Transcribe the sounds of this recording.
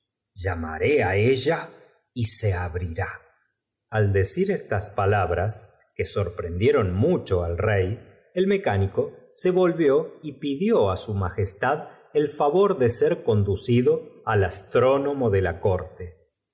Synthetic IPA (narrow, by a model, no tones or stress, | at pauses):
ʒama̰ɾeaeʒa | iseaβɾiɾa | ald̪esiɾest̪aspalaβɾas | keso̞ɾpɾend̪je̞ɾo̞nmut͡ʃo̞alrej | elme̞kaniko̞se̞βo̞lβjo̞ipiðjo̞asumaxest̪að | elfaβo̞ɾðeseɾko̞nd̪usiðo̞alast̪ɾo̞no̞mo̞ðelako̞ɾt̪e